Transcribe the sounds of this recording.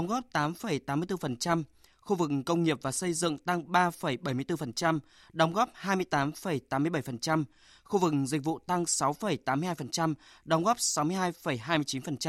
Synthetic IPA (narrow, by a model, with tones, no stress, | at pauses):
ɗə˨˦wŋ͡mɣɔ˦˥p̚t̪aː˨˦mfə˨˩jt̪aː˨˦mɨ˧əjt̪ɨ˧fə˨˩nt͡ɕa˧m | xu˧vɨ˨˩k̚kə˧wŋ͡mŋi˨˩əp̚vaː˨˩sə˧jzɨ̰˧˨ŋt̪a˧ŋɓaː˧fə˨˩jɓə˨˧˩jmɨ˧əjt̪fə˨˩nt͡ɕa˧m | ɗə˨˦wŋ͡mɣɔ˦˥p̚haː˧jmɨ˧əjt̪aː˨˦mfə˨˩jt̪aː˨˦mːɨ˧jɓə˧˩jfə˨˩nt͡ɕa˧m | xu˧vɨ˨˩k̚zi˨˩k̟̚vṵ˧˨t̪a˧ŋsa˨˦wfə˨˩jt̪aː˨˦mɨ˧haː˧jfə˨˩nt͡ɕa˧mɗə˨˦wŋ͡mɣɔː˦˥p̚sa˨˦wmɨ˧jɦaː˧jfə˨˩jɦaː˧mɨ˧ət͡ɕi˨˦nfə˨˩nt͡ɕa˧